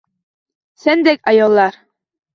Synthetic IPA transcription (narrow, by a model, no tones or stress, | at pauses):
sænd̪ækɑjɑlˠːɑɾ